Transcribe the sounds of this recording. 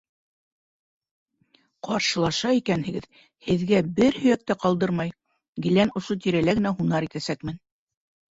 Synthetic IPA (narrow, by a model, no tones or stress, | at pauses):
qɑɾʃɤ̆lˠɑʃɑikænhɘ̆ɡɘð | hɘ̆ðɡæbɘɾhɵ̆jæk̚t̪æqɑlˠd̪ɤɾmɑj | ɡɘ̆lænŏʃot̪iɾælæɡɘ̆næɦunɑɾit̪æsækmɘn